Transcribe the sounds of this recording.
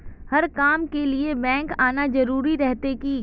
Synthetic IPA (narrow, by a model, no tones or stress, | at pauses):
hɐɾkaːmkeliebɛ̃ːŋkaːnad͡ʒɐɾuːɾiɾɛɦt̪ekiː